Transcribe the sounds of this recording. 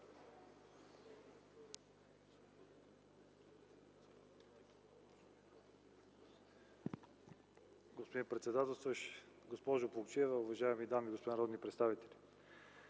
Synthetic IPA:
ɡospod̪inpɾɛt̪sɛd̪at̪ɛlˠst̪vəʃ | ɡospɔʒʊpolˠkt͡ʃɛvəʊvɐʒaɛmid̪amiɡospod̪inəɾɔd̪nipɾɛt̪st̪avit̪ɛlʲi

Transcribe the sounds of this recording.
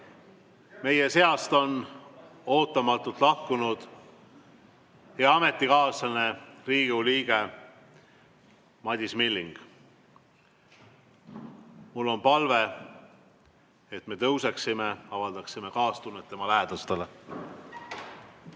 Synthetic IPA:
me̞je̞se̞ɑst̪o̞n | o̞ːt̪ːˑɑmɑt̪ːˑult̪ˑlɑhkunud̪̥ | heɑɑme̞t̪ˑːikɑːsɑne̞riːɡ̥uliːɡ̥e̞ | mɑd̪ʲismilːiŋɡ̥ | mulːo̞npɑlve̞ | et̪ːme̞t̪ɤwse̞ksime̞ɑvɑld̪̥ɑksime̞kɑːst̪unːet̪ːe̞mɑlæed̪̥ɑst̪ele

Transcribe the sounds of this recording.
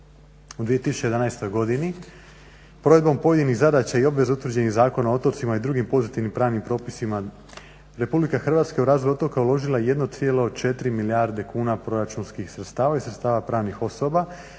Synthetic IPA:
ud̪ʋije̞t̪isu̥t͡ɕej̪anajst̪o̞jɡo̞d̪ini | pɾo̞ʋe̞d̪bo̞mpo̞je̞d̪iniɣzad̪at͡ɕaio̞bʋe̞zut̪ʋɾ̩rd͡ʑe̞nizaːko̞naoo̞t̪o̞ɾt̪simaid̪ɾuɡimpo̞zit̪iʋnimpɾaːʋnimpɾo̞ːpisima | ɾe̞publikaxr̩ʋaːt̪skaeuɾaːzlojo̞t̪o̞kaulˠo̞ʒilˠaejed̪no̞t̪sije̞lood̪̚t͡ʃe̞t̪ɾimiliaɾd̪e̞kuːnapɾo̞ɾat͡ʃunskixsɾet̪st̪aːʋaisɾet̪st̪aːʋapɾaːʋnixo̞so̞ba

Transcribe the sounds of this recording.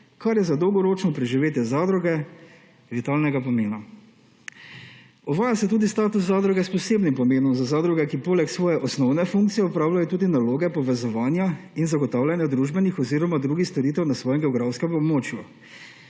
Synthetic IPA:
kaɾjɛzad̪ɔwɡɔɾoːt͡ʃnɔpɾɛʒiʋeːt̪jɛzaːd̪ɾɔɡɛ | ʋit̪aːlnɛɡapɔmeːna | ɔʋaːjasɛt̪uːd̪ist̪aːt̪us̬zːaːd̪ɾɔɡɛspɔseːbnimpɔmeːnɔmzazaːd̪ɾuɡɛkipoːlɛksʋɔːjɛʔɔsnɔwnɛfuŋk̚t̪sijɛɔpɾaːwlajɔt̪uːd̪inaloːɡɛpɔʋɛzɔʋaːnjainzaɡɔt̪aːwlʲanjad̪ɾuʒbɛnixɔziːɾɔmad̪ɾuːɡixst̪ɔɾiːt̪ɛwnasʋɔːjɛmɡɛɔɡɾawskɛmɔbmoːt͡ʃju

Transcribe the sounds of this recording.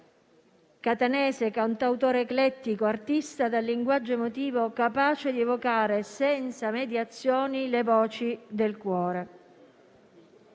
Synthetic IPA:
kat̪anɛːsekant̪awt̪oːɾeːklɛt̪ːikoart̪ist̪ad̪alːiŋɡwad͡ʒːoemot̪iːvokapaːt͡ʃed̪ievokaːɾesɛnt̪samed̪jat̪sːjɔːnilevɔːt͡ʃid̪elkwɔːɾe

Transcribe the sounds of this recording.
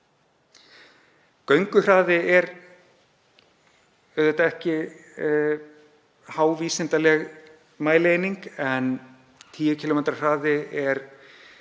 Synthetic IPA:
kœɥŋkʏr̥aːðɪɛɾ | œðejt̪aɛhcɪ | haːwviːsɪnt̪alɛɣ | maːjlejniŋkɛn | t̪ʰiːjʏcʰɪlɔmɛnt̪ɾar̥aːðɪɛɾ

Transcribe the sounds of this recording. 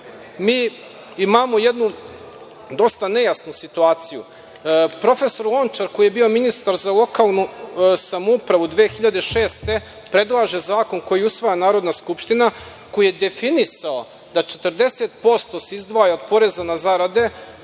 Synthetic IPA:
miː | imaːmo̞je̞d̪nu | d̪o̞st̪ane̞jasnusit̪uaːt̪siju | pɾo̞fe̞so̞ɾlˠo̞nt͡ʃaɾko̞ije̞bio̞minist̪aɾzalˠo̞kaːlˠnusamoupɾaʋud̪ʋeːxiʎad̪eʃe̞ːst̪e̞ | pɾe̞d̪lˠaʒe̞zaːko̞nko̞jiusʋajanaːɾo̞d̪naskupʃt̪ina | ko̞jijed̪e̞finisao̞ | d̪at͡ʃet̪əɾd̪e̞set̪̚po̞st̪o̞seizd̪ʋajaod̪po̞ɾe̞zanazaɾad̪e̞

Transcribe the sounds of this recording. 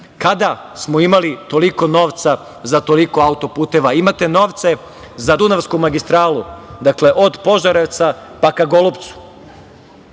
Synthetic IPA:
kad̪a | smoimalit̪o̞liko̞no̞ːʋt̪sa | zat̪o̞liko̞aut̪o̞puːt̪e̞ʋaimat̪e̞no̞ːʋt̪se̞ | zad̪unaʋskumaɡist̪ɾaːlud̪akle̞ʔo̞d̪po̞ʒaɾeʋt̪sapakaɡo̞lˠopt̪su̥

